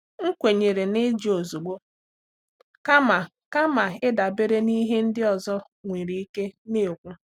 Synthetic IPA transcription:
ŋ̩˦kʷe˨ɲe˨ɾe˨nɪ˦d͡ʒi˨o˨zu˨ɡ͡bo˦ | ka˦ma˨ | ka˦ma˨ɪ˦da˨be˦ɾe˦ni˦ɦe˦n̩˦dɪ˦ɔ˨zɔ˦ | ŋʷe˨ɾi˨i˦ke˦ne˦˨o˨kʷu˦

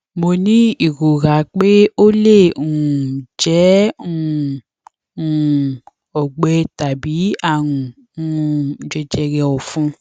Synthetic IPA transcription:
mo˧nĩ˦i˦˨ɾo˨ɾa˨˦k͡pe˦o˦le˦˨ũ˨d͡ʒɛ˨˦ũ˦˨˦ | ũ˨ | ɔ˨ɡ͡bɛ˨˧ta˨bi˨˦a˦˨ɾũ˨ | ũ˦˧˨d͡ʒɛ˧d͡ʒɛ˧ɾɛ˧ɔ˨fũ˧˦

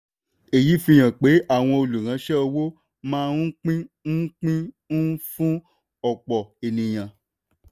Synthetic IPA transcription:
e˨ji˨˦fĩ˧j̃ã˨k͡pe˨˦a˦˨w̃ɔ̃˧o˧lu˨ɾ̃ã˨˦ʃɛ˦o˧wo˦ | mãː˦˧ũ˦k͡pĩ˦ñ̩˦k͡pĩ˦ | ñ̩˦fũ˦ | ɔ˨k͡pɔ˨e˨nĩ˨j̃ã˨

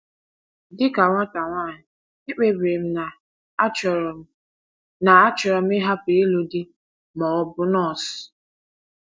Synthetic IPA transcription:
dɪ˦ka˨ŋʷa˦ta˨ŋʷaː˦˨ɲɪ˨ | ɪ˦k͡pe˨bɾe˨m̩˦na˨˦ | t͡ʃɔ˨ɾ | na˨a˦t͡ʃɔ˨ɾɔ˨m̩˦ɪ˦ɦa˦pi˨e˦lu˦dɪ˦ | mɔ˨ɔ˨bʊ˦nɔ˦˨s

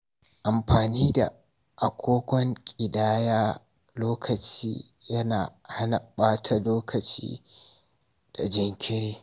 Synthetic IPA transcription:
ʔa˨mɸaː˨niː˦da̰˨ | ʔa˨kʷʰoː˦ɡʷɔ˦ŋkʲʼɪ˨daː˦jaː˦ | loː˦kʰɐ˨t͡ʃḭː˦jɐ˦naː˨ha˦nɐ˨ɓaː˦tʰa˨loː˦kʰɐ˨t͡ʃḭː˦ | d̥a˨d͡ʒɪ˦ŋkʲʰɪ˦ɽeː˦

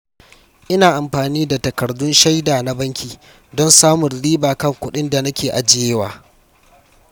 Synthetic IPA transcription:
ʔɪ˦naː˨ʔa˨mɸaː˨niː˦da˨tɐ˨kɐ˨rdʊ˦nʃa˦jdaː˨na˦bɐ˦ŋkʲiː˨ | dɔ˦nsaː˦mʊ˨nliː˦baː˨kɐ˦˨ŋkʷʊ˦ɗɪ˦nda˨na˦kʲeː˨ʔa˨d͡ʒɪ˦jeː˦waː˨

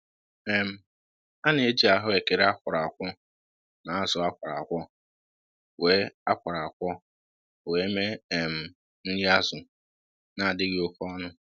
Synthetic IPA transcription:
e˨m̩˦ | a˦ne˨e˦d͡ʒi˨a˨ɦʊ˦e˨ke˨ɾe˦a˦kʷʊ˨ɾa˨a˨kʷɔ˦ | na˨a˦zʊ˨a˦kʷa˨ɾa̰˨kʷɔ˦ | we˦a˦kʷa˨ɾa˨a˨kʷɔ˦ | we˨˦me˦˨m̩˨ | n̩˦dɪ˦a˦zʊ˨ | na˨a˨dɪ˦ɡɪ˦ʊ˦fɔ˦nʊ˦

